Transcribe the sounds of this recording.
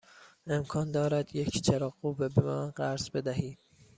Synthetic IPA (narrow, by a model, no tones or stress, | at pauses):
emkʰɒːnd̪ɒːɾæd̪jecʰt͡ʃʰæɾɒːɡuːvebemæːnɢæɾzbe̞d̪æɦiːd̪̥̚